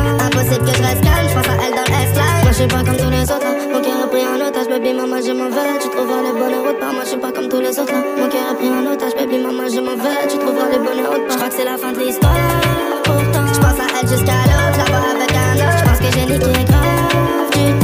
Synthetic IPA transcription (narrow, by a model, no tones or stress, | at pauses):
ɛ̃pχɛ̃sipkəʒəʁɛst̪kafãsaʔɛld̪ɑ̃lʔɛslamwɔ̃ʒɛpakɔmt̪ulezot̪χəmɔ̃kɛ̃ʁəpχiʁɛ̃not̪aʒəpɛblimãmɑ̃ʒɛmɔ̃vɛt̪yt̪χuvd̪lebɔ̃nəʁut̪̚paʁmwãipakɔmt̪ulezot̪χəmɔ̃kɛ̃ʁəpχiʁɛ̃not̪aʒəpɛblimãmɑ̃ʒemɔ̃vɛt̪yt̪χuvd̪ɑ̃lebɔ̃nəʁut̪̚ʃkwakə̥sɛlafɛ̃d̪əlist̪waʁ | puʁt̪ɑ̃t̪y̥kpɑ̃saʔɛlʒyskalɔʁd̪labaʁavɛkɛ̃nɔtt̪y̥pɑ̃skəʒenik̪iɛ̃kʁa | d̪y